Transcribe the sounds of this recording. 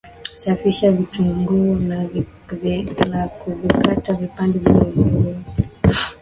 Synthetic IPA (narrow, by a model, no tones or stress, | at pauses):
safiʃavituŋɡuɔna | vlakuvikatavipandɛvilɔlulu